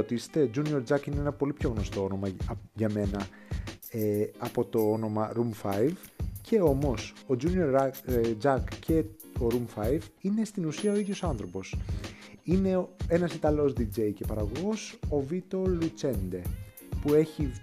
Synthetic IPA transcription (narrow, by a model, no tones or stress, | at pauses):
ot̪ise̥t̪ed͡ʒunio̞ɾd͡zɐkineenɐpo̞lipço̞ɣno̞st̪o̞ono̞mɐʝɐme̞nɐ | eɐpo̞t̪o̞ono̞mɐɾumfɐjvcʰe̞o̞mo̞so̞d͡ʒunio̞ɾd͡zɐkce̞ | o̞ɾumfɐjvine̞st̪inusiɐo̞iðjo̞sɐnθɾo̞po̞s | ine̞e̞nɐsit̪ɐlo̞zd̪id͡ʒe̞jce̞pɐɾɐɣo̞ɣo̞so̞vit̪o̞lut͡ʃe̞nd̪e | pue̞çi